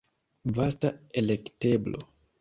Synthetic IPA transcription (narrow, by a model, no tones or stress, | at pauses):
vastaelekte̞blo̰